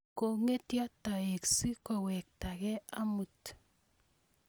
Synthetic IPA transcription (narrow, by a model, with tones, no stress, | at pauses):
ko˨ŋe˦tja˦ta˨e˨ksi˦kɔ˨wɛ˨k̚ta˨kɛ˦a˦mu˨t